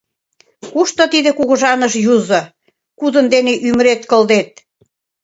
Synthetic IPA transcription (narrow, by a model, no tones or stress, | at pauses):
kuʃt̪ŏt̪id̪ĕkuɣɤ̆ʒɑnəʃjuzo | kud̪ə̆nd̪eneʔyməɾet̪kə̆ld̪et̪̚